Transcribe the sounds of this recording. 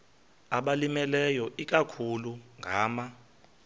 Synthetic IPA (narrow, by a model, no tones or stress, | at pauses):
aɓalimɛlɛjɔʔik̬ʼakʰuluŋɡʱaːma